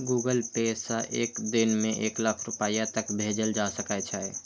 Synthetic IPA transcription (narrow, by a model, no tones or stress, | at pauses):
ɡuːɡəlpeːsaʔeːkd̪ɪnmẽʔeːkləkʰɾʊpaːjat̪əkbʱeːd͡ʒəld͡ʒaːsəkat͡ʃʰaɛ